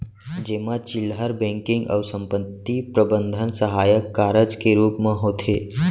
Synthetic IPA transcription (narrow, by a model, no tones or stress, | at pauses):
d͡ʒeːmat͡ʃɪlɦəɾbẽŋkɪ̃ŋɡɔ̰ːɾsə̃mpət̪ːipɾəbə̃nd̪ʱənsəɦaːjəkːaːɾəd͡ʒkeɾuːpmẽɦoːt̪ʰe